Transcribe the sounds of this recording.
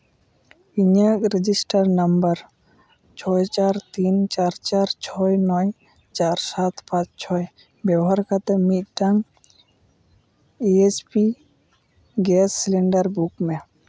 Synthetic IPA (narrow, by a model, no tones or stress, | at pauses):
iɲakɾed͡ʒisʈəɾnəmbəɾ | t͡ʃʰɔjt͡ʃaɾt̪int͡ʃaɾt͡ʃaɾt͡ʃʰɔjnɔj | t͡ʃaɾsat̪ʰpãt͡ʃt͡ʃʰɔj | bjəɦaɾkat̪emit̪̚ʈaŋ | iespi | ɡesːleɳɖəɾbukme